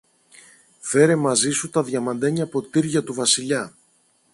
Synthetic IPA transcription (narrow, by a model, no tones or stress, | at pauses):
fe̞ɾe̞mɐzisut̪ɐðʝɐmɐnd̪ɐɲɐpo̞t̪iɾʝɐt̪uvɐsiʎɐ